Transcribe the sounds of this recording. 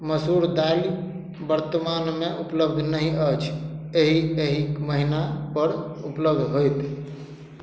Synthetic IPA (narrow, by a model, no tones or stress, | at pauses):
məsuɾd̪ali | bəɾt̪əmanmeʔupləbd̪ʱnəɦĩət͡ʃʰeɦieɦikməɦinapəɾupləbd̪ʱɦojt̪